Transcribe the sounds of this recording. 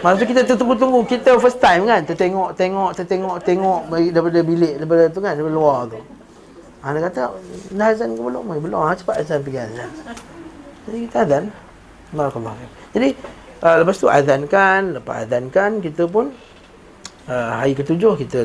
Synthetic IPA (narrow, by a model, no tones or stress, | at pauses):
mast̪̬ukit̪ət̪ut̪uŋɡut̪uŋɡukit̪əfəst̪ajmkant̪ət̪eŋɔʔt̪eŋɔʔt̪ət̪eŋɔʔt̪eŋɔʔbdaipadəbilɪʔdaip̬adət̪̬ukandaipadəluart̪u | anakat̪əndaazankəbəlɔ̰ʔmabəlɔ̰at͡ʃə̥paʔ̪azanpəɡiazan | d͡ʒadikit̪əadan | baɾakalːɔfak | d͡ʒadiʔələpast̪uʔa̰dankanləpa̰ʔa̰dankankit̪əp̬ʊn | əɦaikət̪ud͡ʒʊhkit̪ə